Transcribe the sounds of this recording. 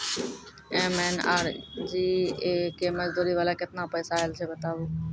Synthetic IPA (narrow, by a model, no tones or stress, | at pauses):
ẽːmeːna̰ːɾd͡ʒiːeːkeːməzd̪uːɾiːʋaːlaːkɪt̪nãːpəːsaːɪlseːbət̪aːʋoː